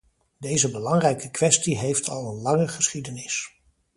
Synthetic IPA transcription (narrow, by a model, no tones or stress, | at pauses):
dejzəbəlɑŋrɛjkəkʋɛstiɦejftʰɑlˠənlɑŋəχəsχidənɪs